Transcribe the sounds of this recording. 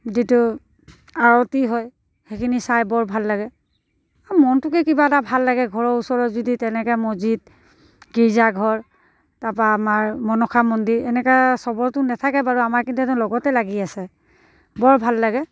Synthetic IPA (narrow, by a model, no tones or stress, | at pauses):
ditu | aɹɔtiɦɔj | xekʰinisajbɔɹbʱalːaɡɛ | amɔntʊkɛkibaɛtabʱalːaɡɛɡʱɔɹɔusɔɹɔtzuditɛnɛkɛmozid̚ | ɡiɹzaɡʱɔɹ | tapaːmaɹmɔnɔxʰamɔndiɹɛnɛkasɔbɔɹtʊnɛtʰakɛbaɹuamaɹkintuɛtɛʊ̃lɔɡɔtɛlaɡiasɛ | bɔɹbʱalːaɡɛ